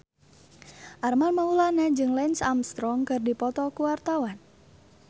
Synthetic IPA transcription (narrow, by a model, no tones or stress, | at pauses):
ʔarmalmaulanad͡ʒɨŋlɛnsamst̪ɾɔŋkɨrdipɔt̪ɔkuwart̪awan